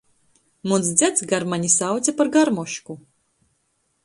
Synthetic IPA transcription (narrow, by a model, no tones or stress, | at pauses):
muns̬d̪zʲat̪sɡaɾmanʲisawt̪t͡s̪ʲapaɾɡaɾmɔʃku